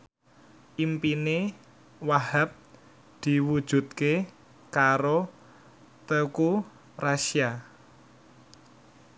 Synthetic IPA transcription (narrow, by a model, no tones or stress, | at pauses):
ʔimpine | wahap̚ | d̪̥i̤wud̥ʒ̥ṳt̪̚ke | kaɾo | t̪əku | raʃia